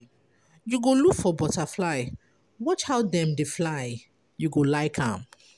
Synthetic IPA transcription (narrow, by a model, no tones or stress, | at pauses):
juɡolukfɔbɔtaflaɪ | wɔt͡ʃhaʊdɛ̃mdeflaɪ | juɡolaɪkʰã̰m